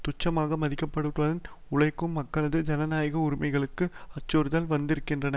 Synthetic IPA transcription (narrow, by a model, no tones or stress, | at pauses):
t̪ʊt͡ʃːɐmaːɣɐmɐðɪkːɐpːɐɽɯʈʋɐðɐn | ʊɭɐɪkːɯmːɐkːɐɭɐðɯd͡ʒɐnɐnaːjɣɐʊɾɪmɐɪɣɐɭɯkːɯɐt͡ʃːoɾðɐlʋɐnd̪ɪɾɯkːɪndrɐnɐ